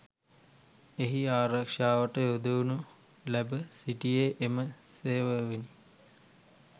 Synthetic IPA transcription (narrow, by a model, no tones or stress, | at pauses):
eɦiaːɾakʂaːʋəʈəjod̪uunu | læbəsiʈijeʔemə | seːʋəʋini